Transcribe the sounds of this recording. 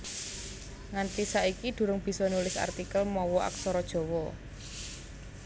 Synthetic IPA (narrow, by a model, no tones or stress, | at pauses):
ŋant̪isaikid̪̥ṳɾʊŋb̥i̤sɔnulɪsa̰rt̪ikəlmɔwɔʔa̰ksɔɾɔd̥ʒ̥ɔ̤wɔ